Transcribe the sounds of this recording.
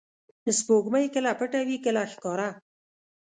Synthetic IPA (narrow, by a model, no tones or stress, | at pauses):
d̪əspoɡməjkəlapəʈawikəlaxkɑɾa